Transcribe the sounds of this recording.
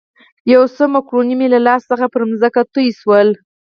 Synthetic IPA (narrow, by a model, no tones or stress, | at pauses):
jawsəmakɾonimelalɑsːəxapəɾmzəkat̪əjswəl